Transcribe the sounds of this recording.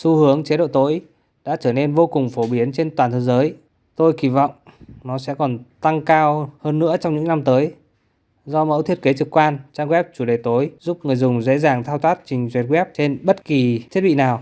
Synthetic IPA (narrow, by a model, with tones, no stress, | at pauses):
su˧hɨ˨˦əŋt͡ɕe˨˦ɗo̰˧˨t̪o˨˦j | ɗa̰ː˧˥t͡ɕəː˧˩ne˧nvo˧kʊ˨˩ŋ͡mfo˧˩ɓi˨˦ənt͡ɕe˧nt̪waː˨˩nt̪ʰəː˨˦zəː˨˦j | t̪o˧jki˧˩vɔ̰˧˨wŋ͡mnɔ˨˦sɛ̰˧˥kɔ˨˩nt̪a˧ŋkaː˧whəː˧nːɨ̰˧˥ət͡ɕɔ˧ŋ͡mɲɨ̰˧˥ŋna˧mt̪əː˨˦j | zɔ˧mə̰˧˥wt̪ʰi˦˥ət̚ke˨˦t͡ɕɨ˨˩kːwaː˧nt͡ɕaː˧ŋɣwɛ˦˥p̚t͡ɕu˧˩ɗe˨˩t̪o˨˦jzu˦˥p̚ŋɨ˨˩əjzʊ˨˩ŋ͡mzḛ˧˥zaː˨˩ŋt̪ʰaː˧wt̪ʰaː˦˥t̚t͡ɕï˨˩ŋ̟zwɛ˨˩t̚wɛ˦˥p̚t͡ɕe˧nɓə˦˥t̚ki˨˩tʰi˦˥ət̚ɓḭ˧˨naː˨˩w